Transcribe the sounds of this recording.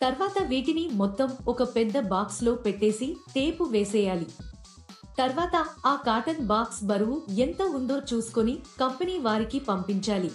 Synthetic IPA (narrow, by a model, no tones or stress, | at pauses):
t̪ɐɾʋaːt̪ɐʋiːʈinimɔt̪ːɐmɔkɐpɛd̪ːɐbaːkslo̞ːpeʈːe̞ːsit̪eːpuʋeːsɛːjaːli | t̪ɐɾʋaːt̪ɐaːkaːʈɐnbaːksbɐɾuʋuent̪ɐund̪o̞ːt͡ʃuːsu̥konikɐmpɐniːʋaːɾikipɐmpiɲt͡ʃaːli